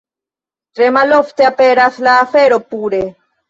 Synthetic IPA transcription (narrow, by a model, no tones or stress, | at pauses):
t̪ɾemaloft̪eapeɾaθlaːfeɾopuɾe